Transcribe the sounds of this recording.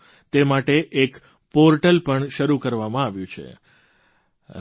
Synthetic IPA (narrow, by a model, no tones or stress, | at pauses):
t̪emaʈeʔek | poɾʈəlpəɳʃəɾukəɾʋamãaʋjũt͡ʃʰḛ